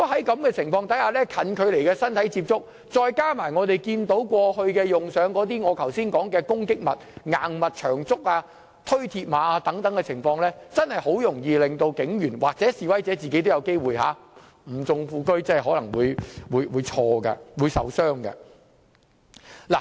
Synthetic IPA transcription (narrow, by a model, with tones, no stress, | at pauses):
kɔ˨˥ɦɐ˨˥jkɐ˨˧mkɛː˧t͡sʰɪ˨˩ŋfɔː˧ŋt̪ʰɐ˨˥jhaː˧lɛː˥kʰɐ˨˥nkʰɵ˨˧ɥle˨˩jkɛː˧sɐ˥nt̪ʰɐ˨˥jt͡siː˧p̚t͡sʊ˥k̚ | t͡sɔː˧jkaː˥maː˨˩jŋɔː˨˧t̪e˨jkiː˧nt̪o˨˥wkʷɔː˧hɵ˧ɥkɛː˧jʊ˨ŋsœː˨˥ŋkɔː˨˥t̪̬iː˥ŋɔː˨˧kʰɐ˨˩wsiː˥nkɔː˨˥ŋkɛː˧kʊ˥ŋkɪ˥k̚mɐ˨t̚ŋaː˨ŋmɐ˨t̚t͡ʃʰœː˨˩ŋt͡sʊ˥k̚aː˧ | t̪ʰɵ˥ɥt̪ʰiː˧t̚maː˨˧aː˧t̪ɐ˨˥ŋt̪ɐ˨˥ŋkɛ˧t͡sʰɪ˨˩ŋfɔː˧ŋlɛː˥t͡sɐ˥nhɐ˨jho˨˥wjʊ˨˩ŋjiː˧lɪ˨ŋt̪o˧wkɪ˨˥ŋjyː˨˩nwaː˨k̚t͡sɛː˨˥siː˨wɐ˨˥jt͡sɛː˨˥t͡siː˨ke˨˥t̪wjɐ˨˧wke˥jwuː˨jɦa̰ː˨˥ | m̩˨˩t͡sʊ˧ŋfuː˧kɵ˥ɥt͡sɐ˥hɐ˨˩ɦɔː˨˥lɐ˨˩ŋwuː˨˧jwuː˨˧jwuː˨˧jt͡ʃʰɔː˧ɡɐ̰˧wuː˨˧jsɐ̰˨wsœː˥ŋɡɐ̰˧ | la̰ː˨˩